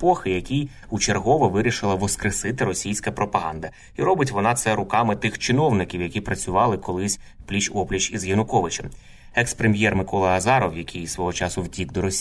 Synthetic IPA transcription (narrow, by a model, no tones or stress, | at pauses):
pɔxɪjɐkʲij | ut͡ʃerɦɔʋɐʋɪɾʲiʃɪlˠɐʋɔskɾesɪt̪ɪɾɔsʲijsʲkɐpɾɔpɐɦɑnd̪ɐ | iɾɔbɪt̬ʲʋɔnɑt̪sɛɾʊkɑmɪt̪ɪxt͡ʃɪn̪ɔwnɪkʲiwjɐkʲipɾɐt͡sʲʊʋɑlˠɪkɔlˠɪsʲ | plʲit͡ʃɔplʲit͡ʃizjɐnʊkɔʋɪt͡ʃɛm | ɛkspɾemʲjɛrmɪkɔlˠɐɐzɑɾɔwjɐkʲʰɪjsʋɔɦɔt͡ʃɑsʊwdʲiɡd̪ɔɾɔsʲ